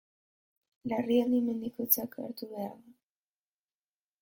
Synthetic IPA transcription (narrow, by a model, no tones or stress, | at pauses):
larianimend̪ikot͡saka̰ɾt̪uβea̰ɾða